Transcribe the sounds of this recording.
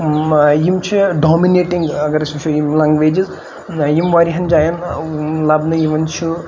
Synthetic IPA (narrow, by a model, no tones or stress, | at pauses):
jimt͡ʃʰiɖɔmineʈiŋɡɐɡɐɾɐsʰumt͡ʃʰujimlaŋɡʋeːd͡ʒiz | jimʋaɾiɦɐnd͡ʒaːjɐnlabnɨjiʋɐnt͡ʃʰu